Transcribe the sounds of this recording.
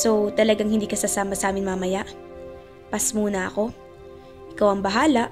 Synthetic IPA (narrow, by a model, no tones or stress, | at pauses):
so̞t̪ɐlɐɡaŋhɪnd̪iːkɐsasaːmɐsɐʔaːmɪnmamɐjaʔ | pɐsmuːnɐɐ̰ko̞ | ʔɪkawɐŋbɐɦaːlɐʔ